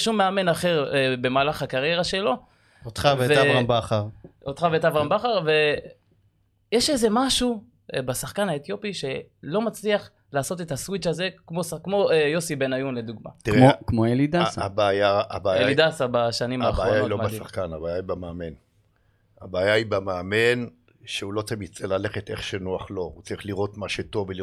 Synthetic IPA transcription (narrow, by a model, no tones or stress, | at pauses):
ʃumːeame̞naχe̞ʁbe̞maːlaχakaʁje̞ʁaʃe̞lo̞ | ot̪χavvveaambaχaʁot̪χaveetavʁambaχaʁve̞ | jeʃe̞ze̞maʃu | basaχkanaet̪jo̞piʃe̞ | lo̞mat͡sliaχ | laːso̞tetaswit͡ʃaze̞kmoskmo̞ejo̞sibe̞najunled̪uɡma̰t̪iokmoelidasaabaːjaabaːjaidasabaʃanimaːχaːjailobasaχkanabaːjaibameamen | abaːjaibameame̞n | ʃeulo̞t͡simit͡selale̞χet̪e̞χʃenuaχlo̞ut͡saʁiχliʁo̞t̪maʃeto̞veli